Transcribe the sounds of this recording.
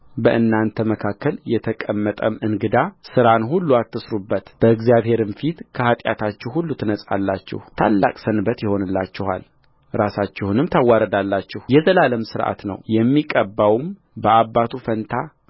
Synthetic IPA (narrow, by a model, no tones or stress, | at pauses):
bəʔɨnːant̪ʰəməkʰakʰːəljɛt̪ʰəkʼəmːət̪ʼəmɨnɡɨd̪asɨɾanhulːuat̪ːɨsɾubːət̪b̥əɨɡzjaβhe̞ɾɨmfit̪kʰəhat̪ʼja̰t̪ʰat͡ʃːɪhhulːut̪ʰɨnəsʼa̰lːat͡ʃːɪ̰ht̪ʰa̰lːa̰kʼsənbət̪jɛho̞nɨlːa̰t͡ʃːɪha̰l | ɾasat͡ʃːɪhunɨmt̪ʰawːaɾəd̪alːat͡ʃːɪhjɛzəlaləmsɨɾʔa̰t̪nə̰wjɛmːikʼəbːawm | bəʔabːat̪ʰufənt̪ʰa